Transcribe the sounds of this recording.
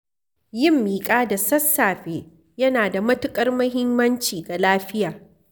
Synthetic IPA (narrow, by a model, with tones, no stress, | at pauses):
jɪ˦˨mːiː˨kʼaː˦da˨sɐ˦sːaː˨ɸeː˨ | jɐ˦naː˨da˨mɐ˦tʊ˦kʼɐ˦rmɐ˦ɦɪ˦mːɐ˦nt͡ʃiː˨ɡa˨laː˦ɸɪ˦jaː˨